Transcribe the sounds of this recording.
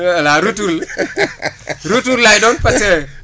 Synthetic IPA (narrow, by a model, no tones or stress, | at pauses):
laɾutul | ɾutullajdɔnpase